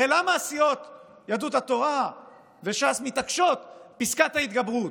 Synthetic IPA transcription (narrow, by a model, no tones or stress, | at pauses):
elamaːsijo̞t̪ | jad̪ut̪hat̪o̞ʁa | ve̞ʃasmit̪akʃo̞t̪piskat̪hait̪ɡabʁut